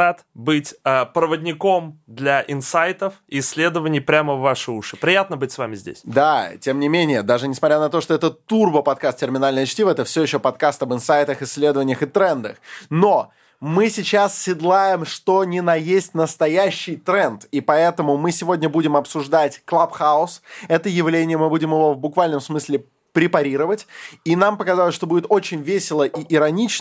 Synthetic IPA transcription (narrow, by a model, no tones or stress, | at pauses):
at̪bɨtʲəpɾəvədʲnʲɪko̞md̪lʲaʔɪnsajt̪əfiːsʲːlʲed̪əvənʲɪjpɾʲaməvːaʂɨuʂɨpɾʲɪjat̪nəbɨtʲsvamʲɪzʲdʲḛsʲd̪atʲe̞mnʲɪmʲenʲɪjəd̪aʐɨnʲɪsmɐt̪ʲɾʲanɐt̪oʂt̪oɛt̪ət̪urbəpɐt̪̚kast̪tʲɪrmʲɪnalʲnəjɐt͡ɕtʲivəɛt̪əfsʲɵɪɕːopɐt̪kast̪ɐbɨnsajt̪əxɪsʲːlʲe̞d̪əvənʲɪjəxɨt̪ɾɛnd̪əxno̞ | mɨsʲɪt͡ɕassʲɪd̪lˠajɪmʂt̪o̞nʲɪnɐjesʲtʲnəst̪ɐjæɕːɪjt̪ɾɛnt̪ipɐɛt̪əmʊmɨsʲɪvo̞dʲnʲəbudʲɪmɐpsʊʐd̪atʲklˠapxaʊsɛt̪əjɪvlʲenʲɪjəmɨbudʲɪmjəvo̞vbʊkvalʲnəmsmɨsʲlʲɪ | pɾʲɪpɐɾʲiɾəvətʲinampəkɐzalˠəsʂt̪o̞budʲɪt̪o̞t͡ɕɪnʲvʲesʲɪlˠəʔiʔɪɾɐnʲit͡ɕ